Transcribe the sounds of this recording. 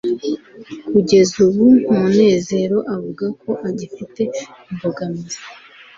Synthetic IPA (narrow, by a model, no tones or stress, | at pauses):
kuɟe̞zuβumune̞ːze̞ɾo̞ʔavuɡako̞ʔaɟifite̞imboɡamize̥